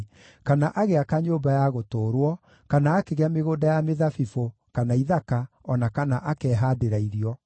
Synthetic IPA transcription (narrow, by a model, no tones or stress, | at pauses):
kanaʔaɣeakaɲoːbajaɣotoːɾwɔ | kanaːkeɣeameɣoːdajameðafifo | kanaiðaka | ɔnakanaʔakɛːɦaːdeɾaiɾiɔ